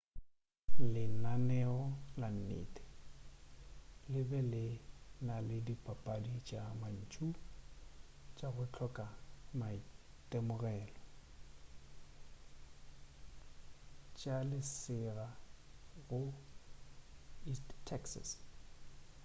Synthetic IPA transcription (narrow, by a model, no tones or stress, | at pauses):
lɪnanɛɔlan̩nḛːtʼɪ̥ | lɪbɛlɪnalɪdipʼapʼadit͡ʃʼaman̩t͡ʃʼu | t͡ʃʼaɣʊt͡ɬʰɔkʼama | tʼemʊɣɛːlɔ | t͡ʃʼalɪsɪra | ɣʊ | isttʰːɛksa̰s